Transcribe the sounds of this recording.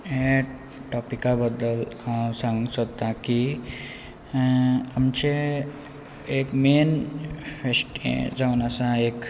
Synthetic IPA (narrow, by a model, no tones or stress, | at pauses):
e | ʈɔpikabəd̪əlsãŋsɔt̪aki | əmt͡ʃe | ekmeːnpʰesʈḛ̃d͡ʒawnasãeːk